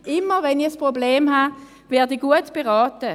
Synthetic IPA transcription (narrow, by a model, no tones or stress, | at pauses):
ʔɪmːəvɛnispʁobleːmɦa | vɛːɐdəɡuətb̥eʁɑːtə